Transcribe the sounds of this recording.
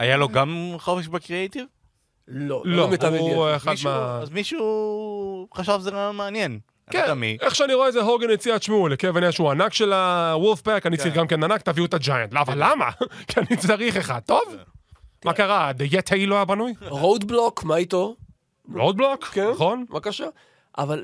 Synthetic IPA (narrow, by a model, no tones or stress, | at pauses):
ajaloɡamχofeʃbekʁiejt̪iv | lolomet̪aveeχad̪meazmiʃu | χaʃavzeɡameanjen | kenamiʔeχʃeaniʁoezeɦoɡenet͡siaʃmulekeveniaʃeuanakʃelawulfpakanit͡saaʁiχɡamkenanak̚t̪aviut̪ad͡ʒaja̰ntloavalːama̰kianit͡saʁiχeχa̰d̚t̪o̞v | makaʁad̪ejet̪ʰeiloajabanujʁod̪blokmait̪o | ʁowd̪̚blokkenχonvakaʃa | ʔaval